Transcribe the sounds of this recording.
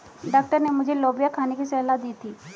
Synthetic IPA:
ɖaːk̚ʈəɾnemʊd͡ʒʱeloːbijakʰaːnekisɛɦlaːt̪̚d̪iːt̪ʰiː

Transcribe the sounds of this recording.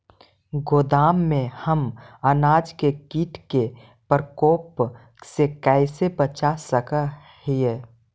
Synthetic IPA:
ɡoːd̪aːmːẽhəmənaːd͡ʒkekiːʈʰke | pəɾkoːp | sekɛɪsebət͡ʃasəkə | hie

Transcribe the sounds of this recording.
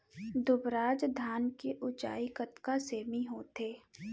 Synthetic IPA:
d̪ʊbɾaːd͡ʒd̪ʱaːnkeʔʊt͡ʃa̰ːikət̪kaseːmiɦoːt̪eː

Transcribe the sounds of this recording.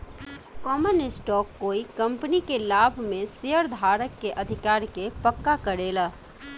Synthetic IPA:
kɔːmənɪsʈɔːkːoːikə̃mpənikelaːbʱmẽseəɾd̪ʱaːɾəkːeʔəd̪ʱɪkaːɾkepəkːakəɾeːla

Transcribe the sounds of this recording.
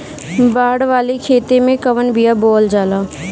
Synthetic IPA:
baːɽʋaːlekʰeːt̪emẽkəʋənbijabɔːld͡ʒaːlaː

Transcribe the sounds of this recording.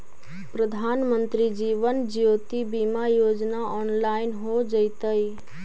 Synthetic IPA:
pɾəd̪ʱaːnmə̃nt̪ɾid͡ʒiːʋənd͡ʒijoːt̪ibimajoːd͡ʒnaɔːnlaːɪnɦod͡ʒəjt̪əj

